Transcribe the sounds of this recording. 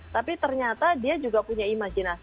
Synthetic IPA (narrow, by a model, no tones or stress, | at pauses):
t̪apit̪ərɲat̪adiad͡ʒuɡapuɲaimad͡ʒina